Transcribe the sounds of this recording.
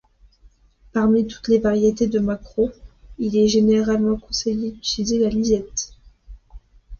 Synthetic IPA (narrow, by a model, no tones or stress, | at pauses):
paʁmit̪u̥t̪levaʁjet̪ed̪əmakχoilɛʒeneʁalmɑ̃kɔ̃sejed̪əsizelalizɛt̪